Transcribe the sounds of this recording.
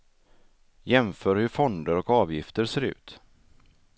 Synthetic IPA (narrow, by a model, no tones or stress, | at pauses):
jɛmfœːɾhɵɾfɔnd̪əɾɔkɑːvjɪft̪əɾseːɾʉ̟̰ːt̪